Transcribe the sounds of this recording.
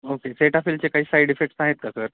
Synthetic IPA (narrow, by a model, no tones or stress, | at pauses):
okeseʈafilt͡ɕekaɦiːsajɽefek̚ʈsaɦet̪̚kasəɾ